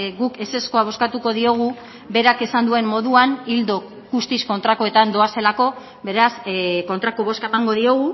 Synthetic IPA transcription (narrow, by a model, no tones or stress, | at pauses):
ɡuke̞se̞sko̞aβ̞o̞skat̪uko̞ðio̞ɣ̞u | be̞ɾake̞sand̪ue̞mːo̞ðuanild̪o̞ | ɣust̪isko̞nt̪ɾakoe̞t̪and̪o̞ase̞lako̞ | βe̞ɾasko̞nt̪ɾakoβ̞o̞skaemaŋɡo̞ðio̞ɣ̞u